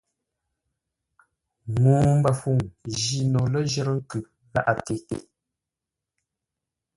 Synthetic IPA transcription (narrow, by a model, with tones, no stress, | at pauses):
muː˨m̩˦ba˨fu˦˨ŋʒi˨nɔ˨lə˦ʒə˦ɾə˦ŋ̩˦kʉ˨ | ɣa̰˦ʔa˨te˨ḛ˨